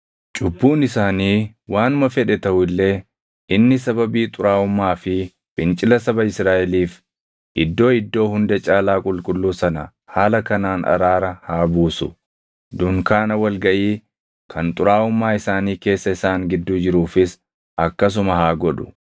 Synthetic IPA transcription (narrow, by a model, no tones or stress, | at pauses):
t͡ʃʼʊbːuːnɪsaːniː | waːnmɐfɛᶑɛt̪ɐhʊɪlːe̞ː | ʔɪnːɪsɐbɐbiːt̪ʼʊɾaːʊmːaːfɪ | b̥ɪnt͡ʃʼɪlɐsɐbɐɪsɾaːʔɛliːf | ʔɪd̪ːo̞ːɪd̪ːo̞ːhʊnd̪ɐt͡ʃʼaːlaːkʼʊlkʼʊlːuːsɐnɐ | haːlɐkɐnaːnʔɐ̰ɾaːɾɐhaːbuːsʊ̰ | d̪ʊŋkaːnɐwɐlɡɐʔiː | kʰɐnt̪ʼʊɾaːʊmːaːɪsaːniːke̞ːsːɐɪsaːŋɡɪd̪ːuːd͡ʒɪɾuːfɪs | ʔɐkːɐs̬ʊmɐɦaːɡɔᶑʊ̥